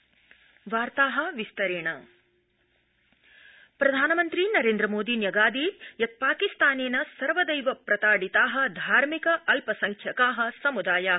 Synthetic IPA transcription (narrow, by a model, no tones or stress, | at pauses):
ʋaːɾt̪aːɦɐ̆ʋist̪ɐɾeːɳɐ | pɾɐd̪ʱaːnɐmɐnt̪ɾinɐɾeːnd̪ɾɐmoːd̪iːnjɐɡaːd̪ijɐt̪̚paːkist̪aːneːnɐsɐɾʋɐd̪ɐjʋɐpɾɐt̪aːɖit̪aːɦɐ̆d̪ʱaːɾmikɐʔɐlpɐsɐŋkʰjɐkaːɦɐ̆sɐmud̪aːjaː